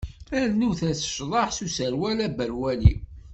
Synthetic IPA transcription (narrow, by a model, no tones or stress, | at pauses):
ænuθæsə̥ʃðˤɑħsusəɾwælæbəɾwælḭ